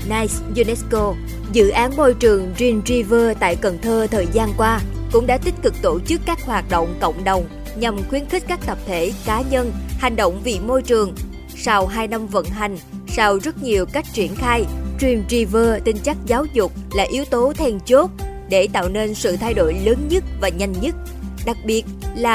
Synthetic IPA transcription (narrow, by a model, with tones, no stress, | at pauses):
naː˧jszu˧nɛ˦˥sko˧ | zɨ̰˧˨ʔaː˨˦nmo˧jt͡ɕɨ˨˩əŋzi˧mzi˧vəː˧t̪a̰ː˧˨jkə˨˩nt̪ʰəː˧t̪ʰəː˨˩jzaː˧nkwaː˧kʊ̰˧˥ŋ͡mɗa̰ː˧˥t̪ï˦˥t̟̚kɨ˨˩k̚t̪o˧˩t͡ɕɨ˦˥kːaː˦˥k̚hwaː˨˩t̚ɗo̰˧˨wŋ͡mkə̰˧˨wŋ͡mɗə˨˩wŋ͡m | ɲa˨˩mxwi˨˦ənxi˦˥k̟̚kːaː˦˥k̚t̪ə˨˩p̚t̪ʰe˧˩kaː˨˦ɲə˧nha˨˩jŋ̟ɗo̰˧˨wŋ͡mvḭ˧˨mo˧jt͡ɕɨ˨˩əŋ | sa˧wɦaː˧jna˧mvə̰˧˥nɦa˨˩jŋ̟sa˧wzə˦˥t̚ɲi˨˩əwka˦˥jk̟̚t͡ɕi˧˩ənxaː˧jt͡ɕwi˨˩əmzi˧vəː˧t̪ï˧ŋ̟t͡ɕa˦˥k̚zaː˨˦wzʊ˨˩k͡p̚laː˨˩ʔi˨˦wt̪o˨˦t̪ʰɛ˧nt͡ɕo˦˥t̚ | ɗe˧˩t̪a̰ː˧˨wne˧nsɨ̰˧˨t̪ʰa˧jɗo̰˧˨jləː˨˦nɲə˦˥t̚vaː˨˩ɲa˧jŋ̟ɲə˦˥t̚ | ɗa˨˩k̚ɓi˨˩ət̚laː˨˩